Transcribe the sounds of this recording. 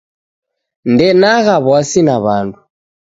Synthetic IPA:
ndɛnaɣaβwasinaβandu

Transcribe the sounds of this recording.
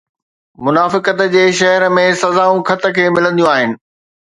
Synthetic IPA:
mʊnaːfɪkət̪d͡ʑeːʃɐɦəɾəmẽsɐzaːũkʰɐt̪əkʰeːmɪlə̃nd̪ijũaːɦɪnɪ̆

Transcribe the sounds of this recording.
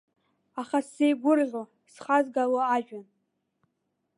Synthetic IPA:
aχasejɡʷʊrʕʲʷo | sχazɡaloaʒᶣan

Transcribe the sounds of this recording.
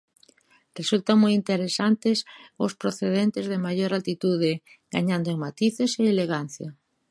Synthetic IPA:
result̪aŋmojint̪eɾesant̪esʊspɾoθeðent̪ezðemaʝoɾalt̪it̪uð̞e | ɡa̰ɲãnd̪oeŋmat̪iθeseeleɣan̟θja

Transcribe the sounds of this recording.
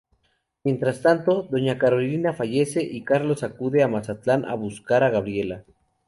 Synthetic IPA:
mje̞nt̪ɾast̪ant̪o̞ðo̞ɲakaɾo̞linafaʝe̞se̞ʔikaɾlo̞sakuðe̞amasat̪lanʔa̰βuskaɾaɣaβɾje̞la

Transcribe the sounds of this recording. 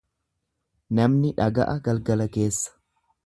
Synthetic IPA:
nɐmnɪᶑɐɡɐ̰ʔɐɡɐlɡɐlɐke̞ːsːɐ̥

